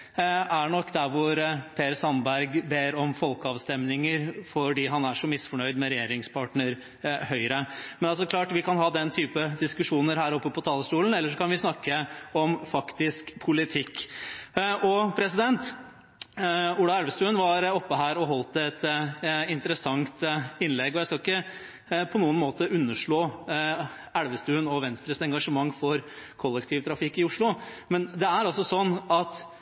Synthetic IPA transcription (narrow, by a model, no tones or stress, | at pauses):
æɳɔkːd̪æɾʋʊɾpʰeːɾsɑnbæɾɡbeːɾɔmfɔlkəɑːʋst̪ɛmnɪŋəɾfɔɖiːɦɑnæʂɔmɪsfɔɳœʏd̪mɛɾɛjeːɾɪŋspʰɑʈɳəɾ | hœʏɾəmɛnɑsɔklɑːʈʋɪkɑnhɑːd̪ɛnt̪ʰyːpəd̪ɪskʉʂuːnəɾɦæːɾɔpːəpʰɔt̪ʰɑːləʂʈuːln̩ɛlːəʂɔkʰɑnʋɪsnɑkːəɔmfɑkt̪ɪskpʰʊlɪt̪ʰɪkː | ʔɔpʰɾɛsɪd̪ɛnt̪ | ʊɽɑæɽʋəst̪ʉːnʋɑɾɔpːəɦæːɾɔɦɔlt̪ɛt̪ɪnt̪əɾəsɑŋt̪ɪnlɛɡɔjæɪskɑɪkːə | pʰɔnuːənmoːt̪əʔʉnːəʂɭoː | æɽʋəst̪ʉːnɔʋɛnst̪ɾəsɛŋɡɑʂəmɑŋːfɔɾ | kʰɔlːəkt̪ʰiːʋt̪ʰɾɑfɪkːɪʊʂɭʊmɛnd̪ɛæɾɑlsɔsɔnːɑt̪